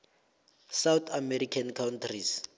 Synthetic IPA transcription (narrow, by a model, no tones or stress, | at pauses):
sawt̪ʰamɛrikʰankʰawntʰris